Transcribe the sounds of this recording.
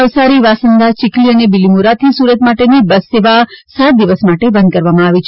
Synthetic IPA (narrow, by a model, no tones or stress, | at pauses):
əʋsaɾiʋasənd̪at͡ʃɪkliənebilimuɾat̪ʰisuɾət̪maʈenibəsːeʋasat̪̚d̪iʋəsmaʈebə̃nd̪̚kəɾʋamãaʋit͡ʃʰ